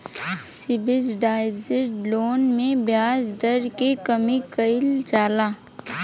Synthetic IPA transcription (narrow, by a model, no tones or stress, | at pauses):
sɪbɪzɖaːɪzɪʈloːnmẽbjaːzd̪ɐɾkekɐmikɐɪlt͡ʃaːlaː